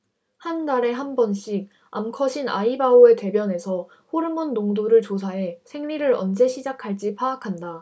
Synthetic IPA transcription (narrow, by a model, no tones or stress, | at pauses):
hanːaɾe̞ɦanbʌnɕʰik̚ | a̰mkʰʌɕʰinaibaoe̞te̞bjʌne̞sʰʌ | ɸoɾɯmʌnːoŋdoɾɯɭt͡ɕos̬ʰaɦe̞sʰe̞ŋɾiɾɯɾʌnd͡ʑe̞ɕʰid͡ʑakʰaɭt͡ɕ͈ipʰaːkʰanda